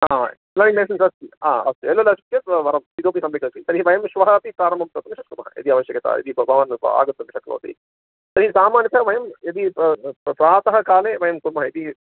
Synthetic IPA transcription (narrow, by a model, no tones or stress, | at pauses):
aː | lɐːnimeːs̬ɐnsɐst̪ia̰ːɐ̰st̪uelolɐsup̚keʋɐɾɐmid̪oːp̬isɐmʋeːkɐt̪isɐɾiɦiʋɐjɐmʃʋɐɦɐːt̪ipɾaːɾɐmbʱɐmt̪ɾɐt̪ɐmʃɐk̪ɾumɐɦɐ̰jɐ̰d̪iɐʋɐʃjɐkɐt̪a̰ːjḛd̪ibɐbʱɐʋɐna̰ːɡɐt̪ːɐmʃɐk̪ɾumɐ̰ːt̪ḭ | sɐɾɦisaːmaːnjikɐʋɐjɐmjɐd̪ipɾaːt̪ɐɦɐkaːleːʋɐjɐmkuɾmɐɦɐjed̪i